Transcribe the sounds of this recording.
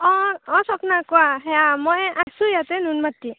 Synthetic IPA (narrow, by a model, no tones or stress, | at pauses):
ɔ̃ɔ̃sɔpnakɔaɦɛamɔjʔasujat̪ɛnunmatːi